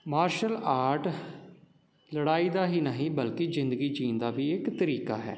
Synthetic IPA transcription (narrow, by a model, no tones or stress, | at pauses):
maːɾʃəlaːɾʈ | ləɽaːiːd̪aːɦiːnəɦĩːbəlkizɪnd̪əɡiːd͡ʒiːnd̪aːbiːɪkt̪əɾiːka̰ːɦɛ̰ː